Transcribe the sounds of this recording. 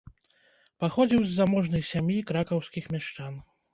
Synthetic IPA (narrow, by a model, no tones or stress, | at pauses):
paxɔd͡zʲiwzːamɔʐnɐjsʲamʲjikɾakɐwskʲixmʲaʂt͡ʂan